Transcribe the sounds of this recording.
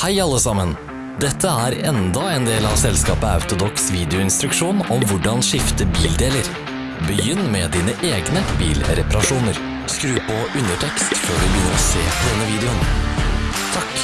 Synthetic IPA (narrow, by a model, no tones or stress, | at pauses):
hæɪɑlːəsɑmən | d̪ɛt̪ʰːəæːɾɛnd̪ɑeːnd̪eːlɑʋsɛlskɑːpəɑ̰ʉt̪ʊd̪ɔksʋiːd̪ɛʊɪnst̪ɾʉkʂuːnɔmʋʊɖɑnʂɪft̪əbiːld̪eːləɾ | bəjʏnːmɛd̪iːnəʔeːɡnəbḭːlɾɛpɑɾɑʂuːnəɾ | skɾʉːpɔʉnəʈʰɛkst̪føːɖʉbəjʏnːəɾɔsḛːd̪ɛnːəʋiːd̪ɛʊn | t̪ʰɑk